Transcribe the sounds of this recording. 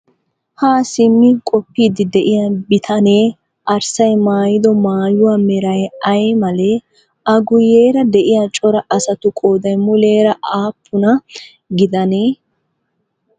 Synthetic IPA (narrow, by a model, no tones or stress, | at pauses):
haːsɪmːɪkʼɔpːiːd̪ɪd̪ɛʔɪjɐbɪt̪ʰɐneː | ʔɐɾsɐjmaːjɪd̪ɔmaːjʊwamɛɾɐjɐjmɐlɛ | ʔɐɡʊjeːɾɐd̪ɛʔɪjat͡ʃʼɔɾɐʔɐsɐt̪ʊkʼoːd̪ɐjmʊle̞ːɾɐʔaːpʰːʊnɐ | ɡɪd̪ɐneː